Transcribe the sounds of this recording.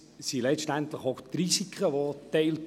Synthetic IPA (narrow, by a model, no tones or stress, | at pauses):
silɛʃtænt̪ləχoxt̪ɾisikʰəʋot̪ɛɪl